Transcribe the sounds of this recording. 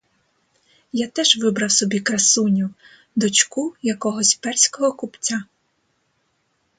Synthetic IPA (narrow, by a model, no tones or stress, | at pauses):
jat̪ɛʒʋɪbɾɐwsɔbʲikɾɐsunʲu | d̪ɔt͡ʃkujɐkɔɦɔsʲpɛrsʲkɔɦɔkupt͡sʲa